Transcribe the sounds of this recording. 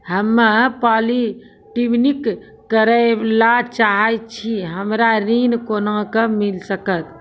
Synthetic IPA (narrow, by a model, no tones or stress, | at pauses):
ɦəmːəpali | ʈibnikː | əɾəlat͡ʃaɦəjt͡ʃʰiɦəmɾaɾinkonãkəmilsəkət̪